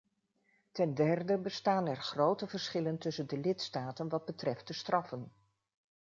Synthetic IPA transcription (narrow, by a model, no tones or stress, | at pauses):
tɛndɛrdəbəstaːnɛɹχrowtəvəɹsχɪləntɵsəndəlɪtstaːtənʋɑd̚bətrɛft̚dəstrʔɑfən